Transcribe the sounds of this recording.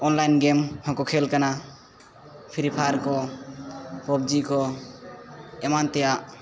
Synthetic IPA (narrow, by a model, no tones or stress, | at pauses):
ɔnlajnɡɛmhɔ̃kɔkʰɛlkana | pʰiɾipʰaɾkɔ | pɔbd͡ʒikɔ | ɛmant̪ɛjaʔ